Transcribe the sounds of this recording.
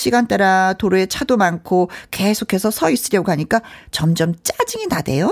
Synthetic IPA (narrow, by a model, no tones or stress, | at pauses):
ɕʰiɡant͈eɾatoɾuet͡ɕʰadomankʰoke̞sʰokʰe̞sʰʌsʰʌis͈ɯɾjʌɡoɦaɲik͈at͡ɕʌmd͡ʑʌmt͡ɕ͈ad͡ʑiŋinade̞jo